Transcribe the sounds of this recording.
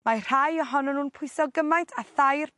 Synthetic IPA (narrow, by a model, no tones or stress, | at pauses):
mar̥ajɔɦɔnɔnuːnpʰʊjsɔɡəmajntʰaθajr